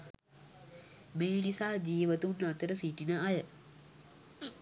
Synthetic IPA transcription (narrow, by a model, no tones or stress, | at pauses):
meːnisaːd͡ʒiːʋət̪unːat̪əɾəsiʈinəajə